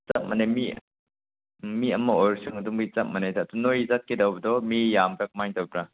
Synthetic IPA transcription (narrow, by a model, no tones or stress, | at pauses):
t͡sɐt̚manemi | miɐmɐojɾsɯŋɐdumɡit͡sɐt̚mɐnajdatunojzat̚kidɐwbɐdɔmijambak̚majŋtɐwbɾa